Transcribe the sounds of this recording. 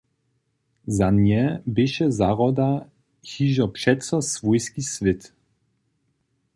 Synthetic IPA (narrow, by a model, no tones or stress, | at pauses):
zanjɛbɪʃɛzaʁɔd̪a | xiʒɔpʂɛt̪sɔsvɔjskisvɪt̪